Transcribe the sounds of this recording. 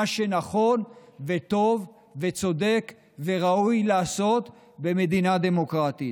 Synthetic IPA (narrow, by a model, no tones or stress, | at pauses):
aʃe̞naχo̞nve̞t̪o̞v | ve̞t͡so̞d̪e̞k | ve̞ʁaujlaːso̞t̪ | be̞me̞d̪inad̪e̞mo̞kʁat̪i